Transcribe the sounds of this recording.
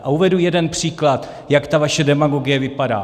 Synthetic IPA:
ʔauvɛdujɛdɛnpr̥iːklat̪ | jakt̪avaʃɛdɛmaɡo̞ɡɪjɛvɪpada̰ː

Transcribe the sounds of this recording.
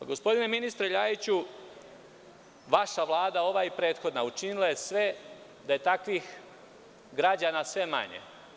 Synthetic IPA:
aɡo̞spo̞d̪ine̞minist̪ɾeʎaːjit͡ɕu | ʋaʃaʋlˠaːd̪ao̞ʋajipɾe̞ːt̪xo̞d̪naut͡ʃinilˠaje̞sʋe̞ | d̪aje̞t̪akʋix | ɡɾad͡ʑaːnasʋe̞ma̰ɲḛ

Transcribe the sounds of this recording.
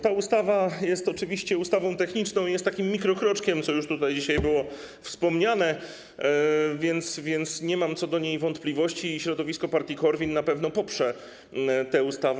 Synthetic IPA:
t̪aust̪avajɛst̪ɔt͡ʂɘvʲiɕt͡ɕɛust̪avɔ̃w̃t̪ɛxɲit͡ʂnɔ̃w̃ijɛst̪ːakʲimːʲikɾɔkɾɔt͡ʂkʲɛmt̪sɔjuʂt̪ut̪ajd͡ʑiɕajbɘwɔ | fspɔmɲanɛ | vʲjɛnt̪svʲjɛnt̪sɲɛmamt̪sɔd̪ɔɲejvɔnt̪plʲivɔɕt͡ɕiːɕɾɔd̪ɔvʲiskɔpaɾt̪ʲikɔɾvʲinːapɛvn̪ɔpɔpʂɛ | t̪ɛust̪av

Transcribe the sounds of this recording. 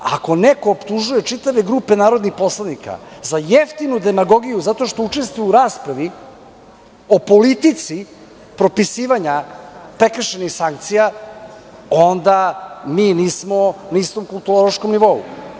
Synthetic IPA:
a̰ko̞neko̞ːpt̪uʒuje̞t͡ʃit̪aʋe̞ɡɾuːpe̞naːɾo̞d̪nixpo̞slˠanika̰zajeft̪inud̪emaɡo̞ɡijuzat̪o̞ʃt̪o̞ut͡ʃe̞st̪vujuuɾaːspɾaʋi | o̞po̞lit̪it̪si | pɾo̞pisiːʋaɲapɾe̞kɾʃenixsaŋk̚t̪sija | o̞nd̪amiːniːsmo̞naist̪o̞mkulˠt̪uolˠoʃkomniʋo̞ṵ

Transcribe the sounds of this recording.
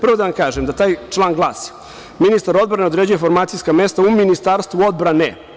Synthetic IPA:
prʋod̪aʋamkaːʒemd̪at̪aːjt͡ʂlˠaːŋɡlˠaːsi̥ | minist̪aɾo̞d̪bɾane̞d̪ɾed͡ʑuje̞fo̞ɾmaːt̪sijskame̞st̪auminist̪aːɾst̪ʋuo̞d̪bɾanḛ

